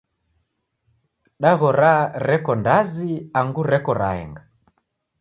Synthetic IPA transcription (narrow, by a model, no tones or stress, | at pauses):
ɗaɣɔɾaɾɛkɔndaziaŋɡuɾɛkɔɾa̰ɛ̰ŋɡa